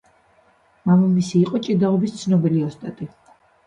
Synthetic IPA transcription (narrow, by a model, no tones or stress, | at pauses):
mamamisiːqʼɔt͡ʃʼid̪aɔbist̪sʰnɔbiliɔst̪ʼat̪ʼi